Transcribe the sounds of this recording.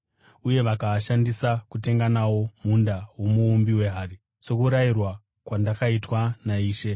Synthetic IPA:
uje̞ʋakaːʃandisakute̞ŋɡanawo̞mundawo̞muːmbiwe̞ɦaːri | so̞kuɾajirwa | kwandakaitwanaiːʃe̞

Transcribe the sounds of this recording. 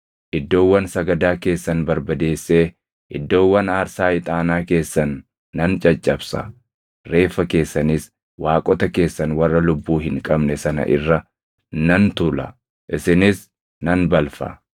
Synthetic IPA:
ʔɪd̪ːo̞ːwːɐnsɐɡɐd̪aːke̞ːsːɐnbɐɾbɐd̪e̞ːsːe̞ː | ʔɪd̪ːo̞ːwːɐnaːɾsaːɪt̪ʼaːnaːke̞ːsːɐnː | ɐnt͡ʃʼɐt͡ʃʼːɐbsɐ̰ | ɾe̞ːfːɐke̞ːsːɐnɪs | waːkʼɔt̪ɐke̞ːsːɐnwɐrːɐlʊbːuːɦɪŋkʼɐbnɛsɐnɐ̰ʔɪ̰rːɐ | nɐnt̪ʊlɐ̰ | ʔɪsɪnɪs | nɐnbɐlfɐ̰

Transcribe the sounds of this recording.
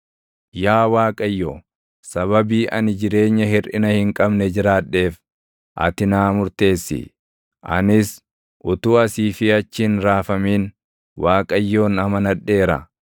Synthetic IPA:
jaːwaːkʼɐjːoː | sɐβɐbiːʔɐnɪd͡ʒɪɾe̞ːɲːɐɦɪɾɪnɐhɪŋkʼɐbnɛd͡ʒɪɾaːᶑe̞ːf | ʔɐ̰t̪ɪnaːmʊɾt̪e̞ːsːɪ̰ | ʔɐ̰nɪs | ʔʊt̪uːɐsiːfɪɐt͡ʃːɪnɾaːfɐmiːn | waːkʼɐjːo̞ːnɐmɐnɐᶑːe̞ːɾɐ̰

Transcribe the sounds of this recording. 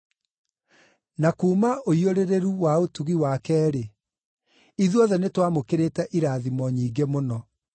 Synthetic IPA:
nakuːmaʔoioɾeɾeɾuwaotuɣiwakɛːɾe | iðuɔðɛnetwamokeɾetɛʔiɾaːðimɔɲiːɡemonɔ

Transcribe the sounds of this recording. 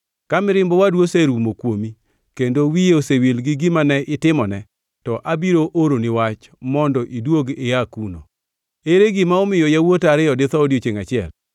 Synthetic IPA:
kamɪɾɪmbɔwadwoseɾumokwomi | kendowijeosewilɡɪɡɪmanɛʔɪtɪmɔnɛ | tɔʔabiɾoʔoɾonɪwat͡ʃ | mɔndɔʔidwoɡɪakuno̰ | eɾeɡɪmaɔmɪjɔjawotaɾɪɔdɪt̪ɔodiot͡ʃeŋat͡ʃɪɛ̰l

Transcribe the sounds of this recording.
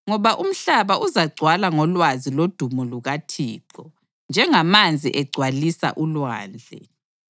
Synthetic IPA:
ŋɔβaʔum̩ɬaβaʔuzaɡ͡ǀʱwalaŋɔlwazilod̥ʱumɔluɣatʰiːǃɔ | nd͡ʒʱɛŋamand͡zʱiʔɛɡ͡ǀʱwalisa̰ʔulwa̰ːnd͡ɮʱɛ̰

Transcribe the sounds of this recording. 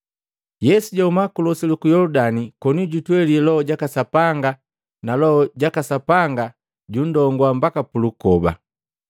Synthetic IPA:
jɛsuɟaumakulɔsilukujɔludanikɔnuɟutwɛliɛlɔɔɟakasapaŋɡa | nalɔɔɟakasapaŋɡa | ɟundɔŋɡwambakapulukɔba̰

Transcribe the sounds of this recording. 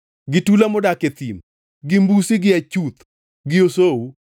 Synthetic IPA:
ɡɪtulamɔdaket̪im | ɡɪmbusiɡɪat͡ʃut̪ | ɡɪosowu

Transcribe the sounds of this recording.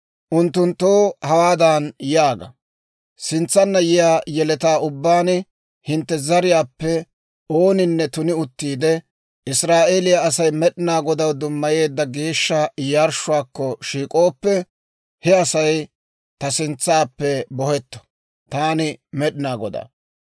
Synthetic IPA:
ʔʊnt̪ːʊnt̪ːoːhɐwaːd̪aːnjaːɡɐ̰ | sɪnt͡sːɐnːɐjɪjaːjɛlɛt̪aːʊbːaːnɪ | hɪnt̪ːɛzɐɾɪjaːpːɛ | oːnɪnːɛt̪ʊnɪʊt̪ːiːd̪ɛ | ʔɪsɾaːʔeːlɪjɐːɐsɐjmɛɗɪnaːɡɔd̪ɐwd̪ʊmːɐje̞ːd̪ːɐɡeːʃːɐjaɾʃʊwaːkːɔʃiːkʼo̞ːpːɛ | hɛɐsɐj | t̪ɐsɪnt͡sːaːpːɛbɔhɛt̪ːɔ̥ | t̪aːnɪmɛɗɪnaːɡɔd̪a̰ː

